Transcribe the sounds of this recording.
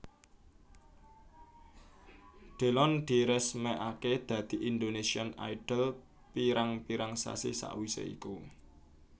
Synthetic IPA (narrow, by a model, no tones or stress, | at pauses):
ɖ̪̥e̤lɔnɖ̪̥i̤ɾɛsmɛʔaked̪̥ä̤d̪̥i̤ʔind̪onesiana̰iɖ̥əl | piɾaŋpiɾaŋsa̰sḭsa̰ʔwisḛḭku